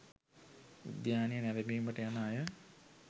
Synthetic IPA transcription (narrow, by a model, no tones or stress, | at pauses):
ṵd̪jaːnijənɛʋebiːməʈəjanaːjə